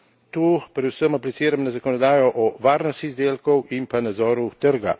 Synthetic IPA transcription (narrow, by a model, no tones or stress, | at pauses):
t̪uːpɾɛd̪usəmaplit̪siːɾamnazakɔnɔd̪aːjɔʔɔʋaːɾnɔst̪izd̪eːlkɔwʔimpanad̪zɔːɾut̪əɾɡa̰